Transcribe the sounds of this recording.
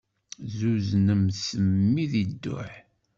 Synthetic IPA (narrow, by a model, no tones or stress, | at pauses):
zuznəmsəmːiðid̪ːʊ̰ħ